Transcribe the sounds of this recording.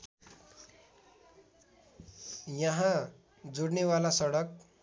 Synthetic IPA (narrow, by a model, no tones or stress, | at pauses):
jʌɦã | d͡zoɽnewalasʌɽʌk̚